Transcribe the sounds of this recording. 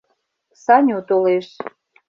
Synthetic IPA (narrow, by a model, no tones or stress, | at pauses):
sɑnʲut̪oleʃ